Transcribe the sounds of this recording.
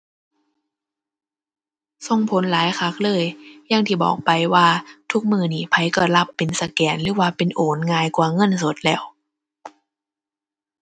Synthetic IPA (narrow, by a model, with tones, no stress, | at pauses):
so˧ŋpʰo˨˦nlaː˨˦jxʰa˧˥k̚lɤː˧˥˨jja˧˥˩ŋt̪ʰiː˧˩bɔ̰ː˨˩k̚pa˨jwaː˧˩t̪ʰu˦˥k̚mɯː˧˩niː˧˩pʰa˧jkɔː˧˩la˧˥˩pːe˨nsa˧kɛː˨˩nɾɯː˨˦waː˧˩pe˨nʔoː˨˩˦nŋaː˧jkwaː˧˩ŋɤ˧˥˨nso˨˦t̪̚lɛː˧˩w